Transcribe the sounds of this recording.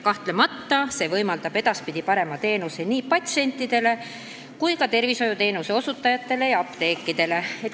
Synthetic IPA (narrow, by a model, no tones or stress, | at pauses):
kɑht̪le̞mɑt̪ːɑse̞ːvɤjmɑld̪ɑb̥e̞d̪̥ɑspid̪̥ipɑɾe̞mɑt̪e̞ːnuseniːpɑt̪se̞nʲt̪ˑːid̪̥e̞le̞ | kujkɑt̪e̞rviso̞jut̪e̞ːnuse̞o̞sut̪ːˑɑjɑt̪ːe̞le̞jɑɑpt̪e̞ːkˑːid̪̥e̞le̞et̪